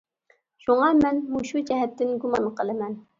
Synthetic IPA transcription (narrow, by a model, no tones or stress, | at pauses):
ʃuŋɑmɛnmuʃud͡ʒɛɦɛt̪ːɪnɡumɑnqʰəlˠɨmɛn